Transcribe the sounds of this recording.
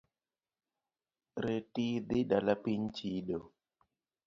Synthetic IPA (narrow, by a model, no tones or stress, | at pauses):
ɾetid̪ɪɗalapiɲt͡ʃiɗo